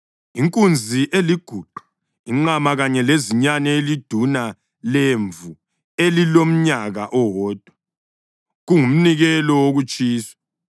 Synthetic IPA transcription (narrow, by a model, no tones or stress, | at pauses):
iŋkʼund͡zʱiʔeliɡ̥ʱuǃu | iŋ͡ǃamaɣaɲɛleziɲanɛelid̥ʱuna | leɱvu | elilom̩ɲaɣaʔɔwɔːd̥ʱwa | ɣuŋum̩niɣɛlɔwoɣut͡ʃʼiːswḁ